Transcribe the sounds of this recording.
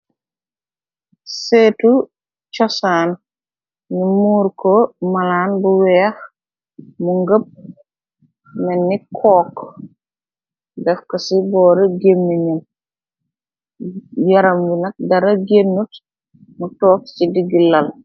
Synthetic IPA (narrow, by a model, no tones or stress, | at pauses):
seːtu | t͡ʃɔsaːn | nimuːɾkɔmɐlaːnbuwɛːx | muŋɡəp̚ | mɛnːikʰɔːk | dɛfkɐsibɔːɾɛɡemːiɲɐn | jɐɾɐmwinɐk̚dɐɾɐɡenːut | mutɔːk̚t͡ʃidiɡilːɐl